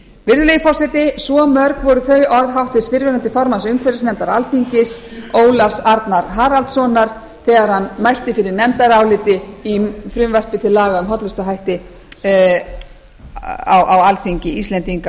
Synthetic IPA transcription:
vɪɾðʏlejɪfɔsɛt̪ɪsɔmœɾkvɔɾʏθœɥʔɔɾðɦawht̪vɪsvɪɾvɛɾant̪ɪfɔɾmasʏŋkʰvɛɾasnɛmt̪aɾalfiɲcɪsoːwlafsaɾt̪naɾɦaːɾalt̪sɔnaɾ̥ | θɛːɣaɾ̥hanːmajl̥t̪ɪfɪɾɪɾnɛmt̪aɾawlɪt̪ɪifɾʏmvɛr̥pɪt̪ʰɪlːaːɣaʏmɦɔt̪lʏst̪aɦajht̪ɪ | a̰wʔawalfiɲcɪist̪lɛnt̪iŋka

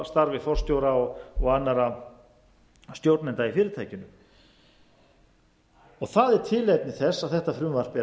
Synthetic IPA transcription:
st̪aɾvɪfɔr̥st̪jowɾaɔɣɔɣaːnːaɾa | st̪jowɾt̪nɛnt̪aifɪːɾɪɾt̪ʰaːjcɪnʏm | ɔɣθaðɛɾ̥t̪ʰɪːlejt̪nɪθɛsːaðθɛht̪afɾʏmvar̥pɛ

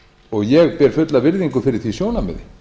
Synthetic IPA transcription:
ɔɣjɛɣpɛɾ̥fʏt̪lavɪɾðiŋkʏfɪɾɪɾ̥θisjoːwnamɛ̰ðɪ

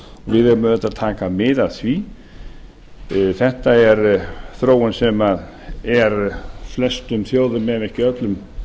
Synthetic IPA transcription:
ɔɣvɪðɛɾmɪmɛt̪ːaðt̪ʰaːkamɪðaðθvi | θɛht̪aɛɾθɾoːwʏnsɛmað | ɛɾflɛst̪ʏmθjoːwðʏmɛvɛhcɪœt̪lʏm

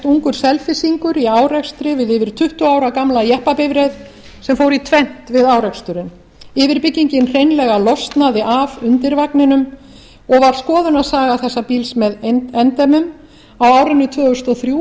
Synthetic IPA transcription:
t̪uŋkʏɾ̥sɛlfɪsiŋkʏɾiaːwrɛkst̪ɾɪvɪðɪvɪɾ̥t̪ʰʏht̪ʏaːwɾakamlajɛhpapɪvɾɛð | sɛmfoːwɾit̪ʰvɛn̥t̪vɪðaːwrɛkst̪ʏɾɪn | ɪvɪɾpɪcːiɲcɪnr̥ejnlɛɣalɔst̪naðɪʔavʏnt̪ɪɾvaknɪnʏm | ɔɣvaɾ̥skɔːðʏnaðsaːɣaθɛsːapiːlsmɛðɛnt̪ɛmʏm | awaːwɾɪnːʏt̪ʰvœːʏst̪ɔθɾjuː

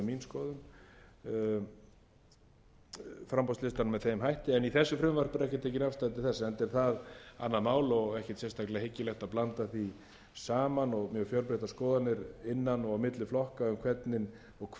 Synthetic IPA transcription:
minskɔːðʏm | fɾampɔst̪lɪst̪anmɛðθeːjmɦajht̪ɪɛniθɛsːʏfɾʏmvar̥pʏɾɛhcɪt̪ʰeːcɪnafst̪at̪ɪθɛsːaɛnt̪ɛɾ̥θaða̰nːaðmaːwlɔɣɛhcɪ̥t̪sɛst̪aklɛahɪcːɪlɛxt̪aðplant̪aθi | saːmanɔɣmjœːɣfjœlpɾɛht̪askɔːðat̪nɪɾɪnːanɔɣamɪt̪lɪflɔhkaʏmkʰvɛt̪nɪn | ɔɣkʰ

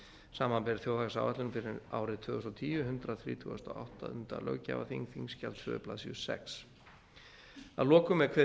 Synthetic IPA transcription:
saːmanpɛɾθjowðaɣsa̰wvat̪lʏnʏmfɪɾɪa̰ːwɾɪt̪ʰvʏːɣʏst̪ɔt̪ʰiːʏɦʏnt̪ɾaθɾḭːt̪ʰuɣast̪ɔa̰wht̪aʏnt̪a̰lœ̰ɣca̰va̰θiŋθiŋscalt̪sʏ̰ðʏ̰pla̰ðsiʏsɛ̰ks | aðlɔːkʏmːɛðkʰvɛ

